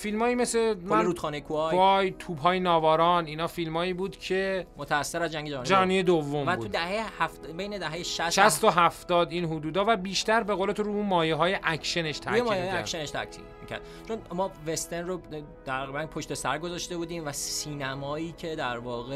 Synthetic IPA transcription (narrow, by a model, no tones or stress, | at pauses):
filmɒːiːme̞semæɾuːt̪χɔːnejkʰujjt̪ʰuːbɦɒːjenɒːvɒːɾɒːniːnɒːfilmɒːiːbuːd̪̥cʰemot̪ʰæːsːeɾæzd͡ʒæŋɡʲɟed͡ʒænd͡ʒænijed̪ovːo̞mætbuud̪æhejehæfbejned̪æɦejeʃæsʃæst̪oɦæft̪ɒːd̪iːnɦud̪uːd̪ɒːvæbiːʃt̪æɾbe̞ɣoːle̞t̪ʰoɾuumɒːjeɦɒːjeʔæcʰʃene̞ʃt̪ʰæ̰emːjiːjæɾkʃeneʃt̪ʰæ̰k̪ʰḭmicʰæ̰ɾd̪̥̚ | t͡ʃʰonmɒːvest̪enro | t̪ʰæɣibænpʰoʃt̪esæɾɡozɒʃt̪e̞buːd̪iːmvæsiːnæmɒːiːcʰed̪æɾvɒːɣe